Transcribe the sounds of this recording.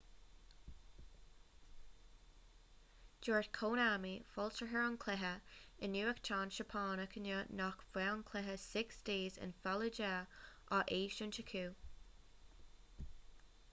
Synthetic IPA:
d͡ʒ̥ɔːɹtkʰoːnaːmifɔlˠsəɦəɹənkʰl̥ɪɦəɪnːjuːəkt͡ʃʰɑːnʃəpʰɑːnəkʰənəːnɔkvwɛɔnkʰl̥ɪɦəsɪksd̥eːzɪ̰nfaləd͡ʒaʔaʔeːʃənt͡ʃəkʰuː

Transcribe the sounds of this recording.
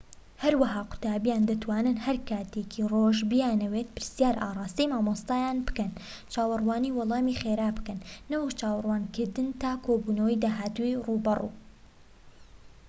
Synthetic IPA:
hɐɾwɐɦaːqʊ̥t̪aːbijaːnd̪ɐt̪waːnɨnhɐɾkʰaːt̪ekʰiroːʒbɪjaːnɐwet̪̚pɨɾsjaːɾʔaːrˤɑːst̪əjmaːmost̪aːjaːnbɨ̥kɐn | t͡ʃaːwɨrwaːniːwɔlˠɑːmixeːɾaːbɨ̥kɐnːɐwɐkt͡ʃaːwɑrwaːnkɨɾd̪ɨnt̪aːkʰoːbuːnɐwəjd̪aːɦaːt̪uwiruːbɐrṵː

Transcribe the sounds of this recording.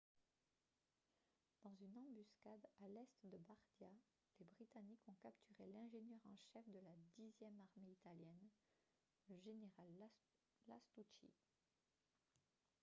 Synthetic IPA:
d̪̥ɑ̃zynɑ̃byskad̪alɛst̪d̪əbaʁd̪ja | lebʁit̪anikɔ̃kapt̪ʰyʁelɛ̃ʒenjœʁɑ̃ʃɛfd̪əlad̪izjɛmaʁmeit̪aljɛn | ləʒeneʁalː | a̰st̪ut͡ʃḭ

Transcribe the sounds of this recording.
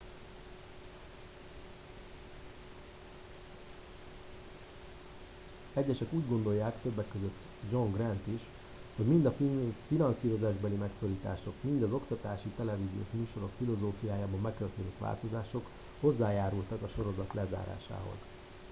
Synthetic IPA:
ɛɟːɛʃɛkuːɟɡo̞nd̪o̞jːaːkt̪øbːɛkːøzø̞t̪ː | d͡ʒo̞ŋɡrɛnt̪iʃ | ho̞ɟmind̪ɒfinɒnsiːɾo̞zaːʒbɛlimɛkso̞ɾiːt̪a̰ːʃo̞kmind̪ɒzo̞kt̪ɒt̪aːʃit̪ɛlɛviːzijo̰ːʃmyːʃo̞ɾo̞kfilo̞zoːfijaːjaːbɒmmɛkːørt̪eːnit̪ʋa̰ːlt̪o̞zaːʃo̞k | ho̞zːaːjaːɾult̪ɒkɒʃo̞ɾo̞zɒt̪lɛza̰ːɾa̰ːʃa̰ːɦo̞̰z̥

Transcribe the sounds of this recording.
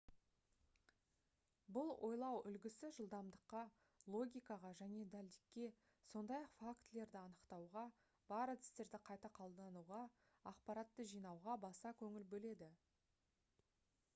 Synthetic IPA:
bʊlˠwʔo̞̰jlˠɑwʏlɡʲɪsɪʒəlˠd̪ɑmd̪əqːɑ | lˠo̞ɡʲijkɑʁɑʒæne̞d̪æld̪ɪkʲːe̞ | so̞nd̪ɑjɑqfakt̪le̞ɾd̪ɪɑnəqt̪ɑwʁɑ | b̥ɑɾad̪ɪ̥st̪e̞ɾd̪ɪqʰɑjt̪ɑqʰolˠd̪ɑnuʁɑ | ɑqpɑɾɑt̪ːəʒijnɑwʁɑbɑsɑkʲʰɵŋɪlbɵle̞d̪ɪ

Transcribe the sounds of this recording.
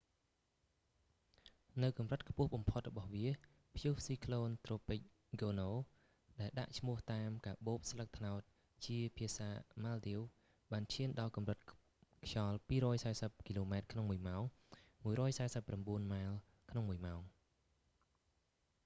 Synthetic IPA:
nɨwkɑmrət̪̚kʰpʊ̆əhɓɑmpʰot̪̚rɔɓɑhʋiə | pʰjuhsiːkʰloːnt̪roːpɨc̚ | ɡoːnoː | ɗaɛlɗa̰ʔt͡ɕʰmʊ̆əht̪aːmkaːɓoːp̚slək̚t̪ʰnaɔt̪̚ | t͡ɕiəpʰiəsaːmaːlɗiw | ɓaːnt͡ɕʰiənɗɑlkɑmrət̪̚ | kʰjɑlpiːɾɔːjsaɛsəp̚kiloːmaɛt̪̚kʰnoŋmuəjmaɔŋmuəjɾɔːjsaɛsəpːramɓuənmaːl | kʰnoŋmuəjmaɔŋ

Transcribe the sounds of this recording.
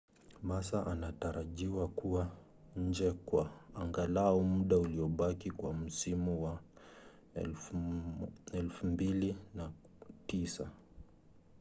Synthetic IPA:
masaʔanataɾaʄiwakuwa | ɲ̩d͡ʒɛkwaaŋɡalaɔmuɗauliɔɓakikwam̩simuwa | ɛlfumbilina | tisa

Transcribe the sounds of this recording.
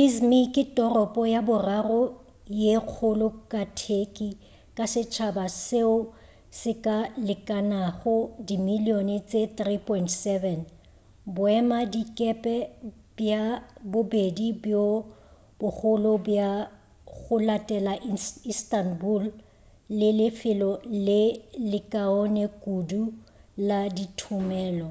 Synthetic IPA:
izmikʼɪtʼɔrɔpʼɔjabʊrarɔ | jeq͡χʰʊlʊkʼatʰekʼi | kʼasɪt͡ʃʰabaseʊ | sɪkʼalɪkʼanaɣʊdimilionɪt͡sʼet̪ripʰʼɔintsɛvɛn | bʊɛmadikʼɛpʼɛ | bjabʊbedibjo | b̥ʊχʊlɔbja | ɣʊlatʼɛlaʔistanbulː | ɪlɪfɪlɔlɪlɪkʼaɔnɛkʼuduladitʰʊmɛːlɔ

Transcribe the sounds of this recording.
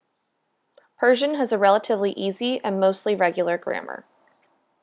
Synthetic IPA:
pʰɜ˞ʒɨ̃nɨzəɹɛlˠəɾʰɪvliʔiziɨ̃nmoʊstˡliɹɛɡjl̩ˠə˞ɡɹæ̰̃mə̰˞

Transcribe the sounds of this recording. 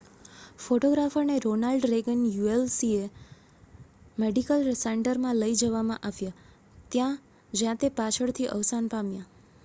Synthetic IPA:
foʈoɡɾafəɾneɾonalɖɾeɡənjuelsie | meɖikəlseɳʈəɾmãləid͡ʒəʋamãʔaʋja | t̪jã | d͡ʒjãt̪epat͡ʃʰəɭt̪ʰiʔə̰ʋsanpamjã

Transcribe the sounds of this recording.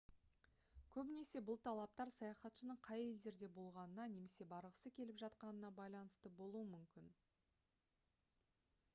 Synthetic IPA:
kʲʰɵbɪne̞se̞bʊlˠt̪ʰɑlˠɑp̚t̪ɑɾsɑjɑχɑt̪ʃənəɴqʰɑje̞ld̪e̞ɾd̪e̞bo̞lˠʁɑnənɑne̞me̞se̞bɑɾəʁəsəkʲʰe̞lɪpʒɑt̪qɑnənɑbɑjlˠɑnəst̪əbo̞lˠuəmʏmkʲɪn

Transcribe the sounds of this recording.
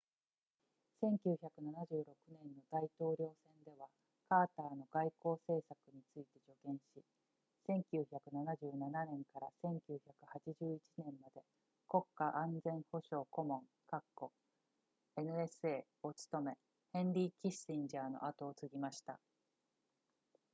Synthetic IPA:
sẽ̞ŋkʲɨːçʲakɯ̟nanaʑɨːɾo̞kɯ̟nẽ̞nːo̞d̪ait̪o̞ːɾʲjo̞ːsẽ̞nd̪e̞β̞a | kaːt̪aːno̞ɡaiko̞ːse̞ːsakɯ̟ɲ̟it͡sɨit̪e̞d͡ʑo̞ɡẽ̞ɰ̃ɕi | sẽ̞ŋkʲɨːçakɯ̟nanaʑɨːnananẽ̞ŋkaɾasẽ̞ŋkʲɨːçakɯ̟hat͡ɕiʑɨːit͡ɕinẽ̞mːad̪e̞ | ko̞kːaʔãnd͡zẽ̞ɰ̃ho̞ɕo̞ːko̞mõ̞ŋ | kakːo̞ | e̞nɯ̟e̞sɨe̞ː | ot͡sɨ̥t̪o̞me̞ | hẽ̞nɾʲiːkʲisĩɲd͡ʑaːno̞̰ʔat̪o̞ːt͡sɨɡʲimaɕi̥t̪a̰

